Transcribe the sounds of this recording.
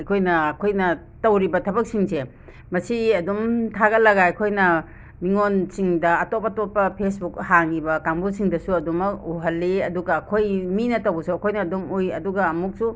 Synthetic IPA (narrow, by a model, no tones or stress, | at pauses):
ɐjkʰojnɐːkʰojnɐ | tɐwɾibɐtʰɐbɐk̚siŋse | mɐsiɐdumtʰaɡɐlɐɡaɐjkʰojnɐ | miŋonsiŋdɐɐtop̚ːɐtopːɐpʰesbuk̚haŋibɐkaŋbusiŋdɐsuɐdumɐkuɦɐlːiɐduɡɐːkʰojminɐtɐwbɐsoɐkʰojnɐːdumujɐ̰duɡɐːmuk̚su